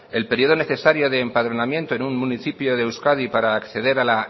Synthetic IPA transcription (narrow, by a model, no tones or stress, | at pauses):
e̞lpeɾio̞ðo̞neθe̞saɾjo̞ðeːmpaðɾo̞namje̞nt̪o̞enunmũniθipjo̞ðewskaðipaɾaːkθe̞ðe̞ɾala